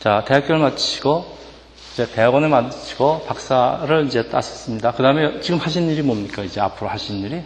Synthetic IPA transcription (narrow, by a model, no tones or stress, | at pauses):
t͡ɕate̞ɦak͈jʌɯɭmat͡ɕʰiɡ̥o | id͡ʑe̞te̞awʌnemadɯt͡ɕʰi̥ɡ̥opak̚s͈aɾɯɭid͡ʑe̞t͈a̰s͈ʌ̥s͈ɯmɲidakɯdaɯmet͡ɕiɡɯmhaɕ̬ʰinɲiɾimomɲik͈aid͡ʑe̞a̰pʰɯɾohaɕʰinnɲiɾi